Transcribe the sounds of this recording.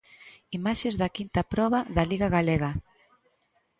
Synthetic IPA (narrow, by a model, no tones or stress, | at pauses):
imaʃezðɐkint̪ɐpɾɔβaðɐliɣaɣaleɣa